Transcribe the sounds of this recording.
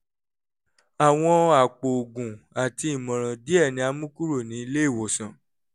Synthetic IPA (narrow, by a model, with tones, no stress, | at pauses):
a˨w̃ɔ̃˧a˨k͡po˨o˨ɡũ˨a˨ti˧i˦˨mɔ̃˨ɾ̃ã˨di˦ɛ˦˨nĩ˨˧a˧mũ˦ku˦ɾo˦˨nĩ˨˦i˧le˦i˦˨wɔ˨sã˨